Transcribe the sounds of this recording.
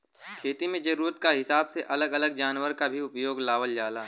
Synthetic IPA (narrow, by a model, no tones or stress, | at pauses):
kʰeːt̪imẽd͡ʒɐɾuːɾət̪̚kaɦɪsaːbseʔɐləɡɐləɡd͡ʒaːnwəɾkabʱiʊpjoːɡlaːʋəld͡ʒaːlaː